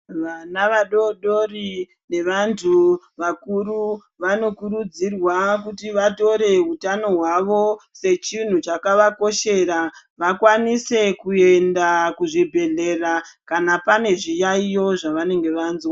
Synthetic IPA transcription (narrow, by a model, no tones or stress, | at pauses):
ʋanaʋaɗo̞ɗori | ne̞ʋantʰu | ʋakuru | ʋano̞kuɾud͡zirwak̬utiʋato̞ɾe̞utano̞ɦwaʋo̞se̞t͡ʃin̤ut͡ʃakaʋako̞ʃe̞ɾa | ʋakwanise̞kue̞ndakuʐibʱe̞ɮe̞rakanapane̞ʐijaijo̞ʐaʋane̞ŋɡe̞ʋaːnzwa